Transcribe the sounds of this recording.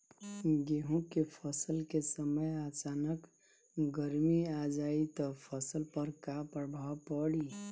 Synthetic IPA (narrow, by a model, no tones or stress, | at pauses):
ɡeɦũkepʰəsəlkesəməjat͡ʃanək | ɡəɾmiad͡ʒait̪ɔpʰəsəlpəɾkapɾəbʱawpəɽi